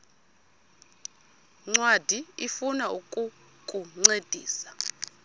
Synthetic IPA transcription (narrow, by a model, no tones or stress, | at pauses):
ŋ͡ǀwad̥ʱiifunaukʼu | kʼuŋ͡ǀed̥ʱiːsḁ